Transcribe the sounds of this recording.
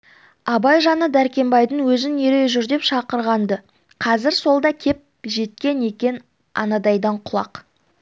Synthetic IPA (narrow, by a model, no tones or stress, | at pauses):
ɑbɑjʒɑnəd̪æɾkʲe̞mbɑjd̪əɴwɵzɪneɾe̞ʒʏɾd̪e̞pʃɑqəɾʁɑnd̪ə | qʰɑzɪɾso̞lˠd̪ɑkʲʰe̞p̚ʒe̞t̪̚kʲe̞ne̞kʲe̞n | ɑ̰nɑd̪ɑjd̪ɑɴqʰʊlˠɑ̰q